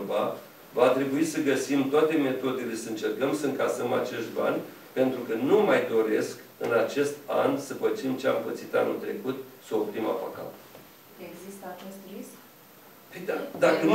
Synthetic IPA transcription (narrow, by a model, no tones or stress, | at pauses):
va | vat̪ɾe̞buisəɡəsimt̪oat̪e̞me̞t̪o̞d̪ele̞səɨnt͡ʃe̞rkəmsəɨŋkasəma̰t͡ʃe̞st̪ba̰nʲ | pe̞nt̪ɾukənumajd̪o̞ɾe̞skɨnat͡ʃe̞st̪a̰nsəpət͡ʃimt͡ʃeaɨmpət̪sit̪a̰nṵlt̪ɾe̞̰kut̪səopɾima̰paka̰t̪ | eɡzist̪əat͡ʃest̪risk | fid̪ad̪akən